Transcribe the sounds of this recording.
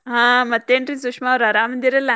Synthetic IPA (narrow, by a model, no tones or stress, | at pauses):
ɦãːmɐt̪ːeːɳʈɾis̬ukʂmaːɾɐɾaːmɐnd̪iɾela